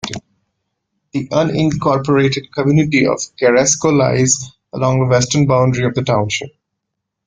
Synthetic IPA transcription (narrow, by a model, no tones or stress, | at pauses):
d̪̥iʔʌ̃nɪ̃nkɔːɾpəɾeːʈɪɖ̚kəmjuːnɪʈiɔ̰v̥kɛɾɛskola̰ɪz | əlɔ̃ŋðəʋɛsʈənbãʊ̃ɳɖɾiɔʋd̪əʈãʊ̃nʃɪp̚